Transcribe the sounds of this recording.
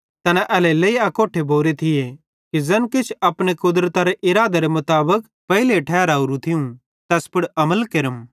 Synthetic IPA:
t̪ɐnɛʔɛːleleːiakoːʈʰebʱoːɾet̪ʰɪje | kizɛnkɪt͡ʃʰɐpɽ̃ekʊd̪ɾət̪aɾeʔɪɾaːd̪eɾemʊt̪aːbək | pɐɦɪleʈʰɛːɾaːuɾũt̪ʰɪũ | t̪ɛːspɪɽɐməlkeɾəm

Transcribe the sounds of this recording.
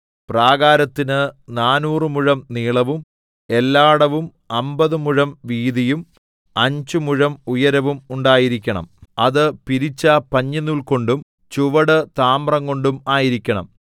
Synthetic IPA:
praːɡaːɾɐt̪ːinɨnaːnuːrɨmuɻɐmniːɭɐʋum | e̞lːaːɽɐʋum | ɐmbɐðɨmuɻɐmʋiːðijum | ɐɲd͡ʑumuɻɐmujɐɾɐʋumuɳɖaːjiɾikʲːɐɳɐ̰mɐðɨpiɾit͡ɕːɐpɐɲːɐnːuɭko̞ɳɖum | t͡ɕuʋɐɽɨt̪aːmrɐŋko̞ɳɖumaːjiɾikʲːɐɳɐ̰m

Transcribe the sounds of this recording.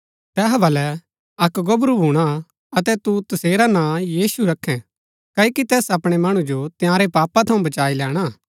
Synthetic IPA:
t̪ɛːɦbɐlɛ | ɐkɡɐbɾubʱuːɽ̃a | ɐt̪ɛt̪ut̪ɐseːɾanãjiːsuɾɐkʰːɛ̃ | kɐikit̪ɛːsɐpɽ̃emɐɽ̃ũd͡ʒot̪ɪjãːɾepaːpat̪ʰɐũbɐt͡ʃaːilɛːɽ̃a

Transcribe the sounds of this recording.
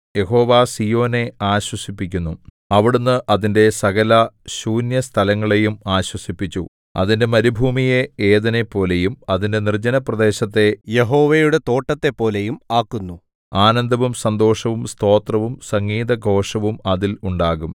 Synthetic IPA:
je̞ɦo̞ːʋaːsijo̞ːne̞aːɕwɐsipːikʲːunːu | ɐʋiɽunːɨʔɐðinde̞sɐɣɐlɐɕuːnjɐst̪ʰɐlɐŋːɐɭe̞jumaːɕwɐsipːit͡ɕʲːu | ɐ̰ðinde̞mɐɾubʱuːmijeeːðɐnepːo̞ːlejumɐðinde̞nird͡ʑɐnɐprɐd̪e̞ːɕɐt̪ːe̞je̞ɦoːʋejuɽe̞t̪o̞ːʈːɐt̪ːe̞pːo̞ːlejumaːkːunːu | aːnɐnd̪ʱɐʋumsɐnd̪o̞ːʂɐʋumst̪o̞ːt̪rɐʋumsɐŋɡiːðɐɡʱo̞ːʂɐʋumɐðiluɳɖaːɣum

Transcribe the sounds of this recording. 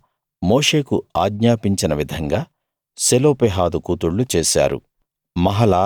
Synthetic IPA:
moːʂe̞ːkuaːɡɲaːpiɲt͡ʃinɐʋid̪ʱɐŋɡaː | seloːpeɦaːd̪ukuːt̪uɭːut͡ʃeːʃa̰ːɾṵ | mɐɦɐlaː

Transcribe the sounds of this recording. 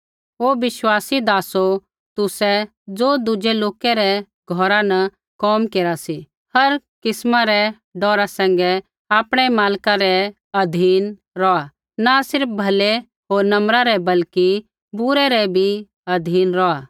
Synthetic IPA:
oːʋɪʃwaːsid̪aːso | t̪ʊsɛ | d͡zoːd̪ʊd͡ʒɛloːkɛɾɛ | ɡʱɔːɾanɐ | kɔːmkeːɾasi | hɐɾkɪsmãɾɛ | ɖɔːɾasɛ̃ŋɡɛ | aːpɽ̃ɛmaːlkaɾɛ | ɐd̪ʱiːn | ɾɔa | nasɪɾpbʱɐle | ɦoːɾnɐ̃mɾaɾɛbɐlki | bʊɾɛɾɛbʱi | ɐd̪ʱiːnɾɔaː

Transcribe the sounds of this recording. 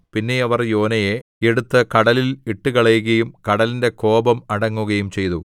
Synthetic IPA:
pinːe̞ɐʋɐrjo̞ːnɐjeeɽut̪ːɐkɐɽɐliliʈːuɣɐɭɐjuɣɐjumkɐɽɐlinde̞ko̞ːbɐmɐɽɐŋːuɣɐjumt͡ɕe̞jt̪u

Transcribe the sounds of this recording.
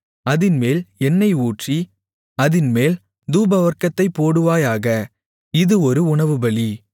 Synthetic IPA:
ɐðɪnmeːlɛnːɐɪuːʈri | ɐðɪnmeːl | d̪uːbɐʋɐɾkɐt̪ːɐɪpːoːɽɯʋaːjaːɣɐ | ɪðɯɔɾɯʊɳɐʋɯbɐɭi

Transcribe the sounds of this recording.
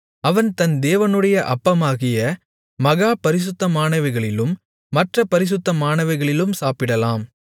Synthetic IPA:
ɐʋɐnt̪ɐnd̪eːʋɐnɯɽɐjɐʔɐpːɐmaːɣɪjɐ | mɐɣaːpɐɾɪs̬ʊt̪ːɐmaːɳɐʋɐɪɣɐɭɪlɯmː | ɐʈrɐpɐɾɪs̬ɯt̪ːɐmaːɳɐʋɐɪɣɐɭɪlɯmsaːpɪɽɐlaːm

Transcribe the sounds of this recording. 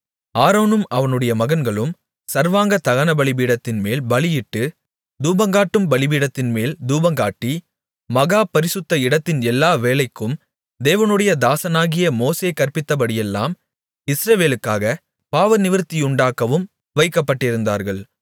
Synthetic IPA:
aːɾoːnɯmɐʋɐnɯɽɐjɐmɐɣɐnɡɐɭɯm | sɐɾʋaːŋɡɐt̪ɐɣɐnɐbɐɭɪbiːɽɐt̪ːɪnmeːlbɐɭɪjɪʈːɯ | d̪uːbɐŋɡaːʈːɯmbɐɭɪbiːɽɐt̪ːɪnmeːld̪uːbɐŋɡaːʈːi | mɐɣaːpɐɾɪsɯt̪ːɐɪɽɐt̪ːɪnɛlːaːʋeːlɐɪkːɯm | d̪eːʋɐnɯɽɐjɐd̪aːsɐnaːɣɪjɐmoːseːkɐɾpɪt̪ːɐpɐɽɪjɛlːa̰ːm | ɪsɾɐʋeːlɯkːaːɣɐ | paːʋɐnɪʋɪɾt̪ːɪjʊɳɖaːkːɐʋɯm | ʋɐɪkːɐpːɐʈːɪɾɯnd̪a̰ːɾɣɐɭ

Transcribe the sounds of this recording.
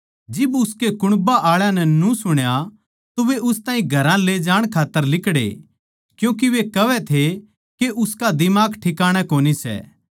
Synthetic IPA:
d͡ʒɪbʊskekʊɽ̃baʔaːɭjãnɛnũsʊɽ̃ja | t̪oʋeʔʊst̪ãːĩɡʱɐɾãled͡ʒaːɽ̃kʰaːt̪ːəɾlɪkɽḛ | kjũːk̬iʋekɐʋɛt̪ʰe | keʔʊskad̪ɪmaːkʈʰɪkaːɽ̃akoːnisɛ̰

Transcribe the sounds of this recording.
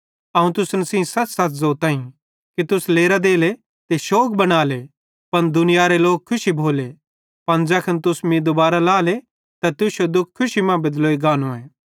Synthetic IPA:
ɐũt̪ʊsnsĩsɐtsɐt̪ʰzoːt̪aːĩ | kit̪ʊsleːɾad̪eːle | t̪eʃoːk̚bɐɽ̃aːle | pɐnd̪ʊnɪjaɾeloːk̚kʰːʊʃibʱoːle | pɐnd͡ʒɐkʰɐnt̪ʊsmĩd̪ʊbaːɾalaːle | t̪at̪ʊsod̪ʊkʰːʊʃimãbɐd̪loːiɡaːnõɛː

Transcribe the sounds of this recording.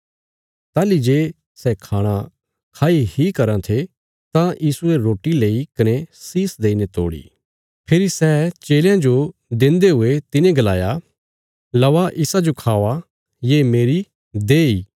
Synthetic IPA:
t̪aːlid͡ʒeː | sɛkʰaːɽ̃a | kʰaːihikɐɾãt̪ʰe | t̪ãjiːsueɾoːʈileːikɐnesiːsd̪eːinet̪o̰ːɽḭː | pʰɪɾisɛt͡ʃeːljãd͡ʒod̪ẽnd̪eɦʊet̪ɪnẽɡɐlaːja | lɐʋaʔɪsad͡ʒokʰaːʋa | jemeːɾi | d̪eːiː

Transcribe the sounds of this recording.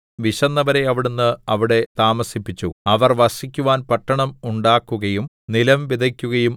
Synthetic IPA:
ʋiɕɐnːɐʋɐɾe̞ɐʋiɽunːɨɐʋiɽe̞t̪aːmɐsipːit͡ɕːṵɐʋɐrʋɐsikʲːuʋaːnpɐʈːɐɳɐmuɳɖaːkːuɣɐjum | nilɐmʋid̪ʱɐkʲːuɣɐjum

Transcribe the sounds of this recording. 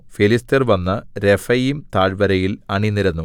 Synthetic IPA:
filistɐrʋɐnːɐɾefɐjimt̪aːɻbɐɾɐjilɐɳinːiɾɐnːu

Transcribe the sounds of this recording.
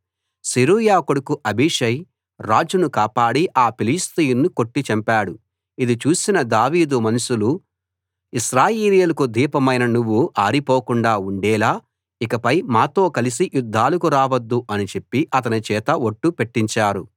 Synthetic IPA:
siɾuːjaːkoɽukuʔɐbʱiʂɐj | ɾaːd͡ʒunukaːpaːɽiʔaːpilist̪ijunnːuko̞ʈːit͡ʃɐmpaːɽu | id̪it͡ʃuːsinɐd̪aːʋiːd̪umɐnuʃulu | iʃɾaːjeːleːlɐkud̪ʱiːpɐmɐjnɐnuʋːuʔaːɾipoːkuɳɖaːuɳɖɛːlaː | ikɐpɐjmaːt̪o̞ːkɐlis̬ijud̪ʱːaːlukuɾaːʋɐd̪ːuʔɐnit͡ʃe̞pːiʔɐt̪̬ɐnit͡ʃɛːt̪ɐoʈːupe̞ʈːiɲt͡ʃaːɾu

